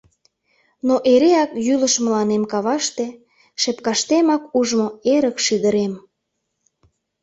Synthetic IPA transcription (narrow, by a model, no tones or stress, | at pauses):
noʔeɾeɑkjyləʃməlɑnemkɑβɑʃt̪e | ʃepkɑʃt̪emɑkuʒmoeɾəkʃid̪əɾem